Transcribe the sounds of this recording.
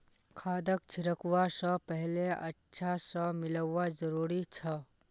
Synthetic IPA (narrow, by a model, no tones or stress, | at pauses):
kʰaːd̪ək̚t͡ʃʰɪɾəkwasəpɛɦleɐ̰tːʃʰasəmɪləazəɾuːɾit͡ʃʰɐ